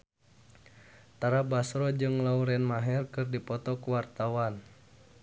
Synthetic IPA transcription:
t̪aɾabasɾɔd͡ʒɨŋlauɾɛnmaɦɛrkɨrdipɔt̪ɔkuwart̪awan

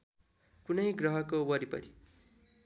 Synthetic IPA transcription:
kunʌjɡrʌɦʌkowʌɾipʌ̰ɾi

